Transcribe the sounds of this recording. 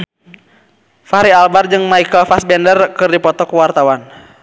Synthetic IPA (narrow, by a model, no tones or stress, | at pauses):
faɾialbard͡ʒɨŋmaikəlfasbɛndərkɨrdipɔt̪ɔkuwart̪awan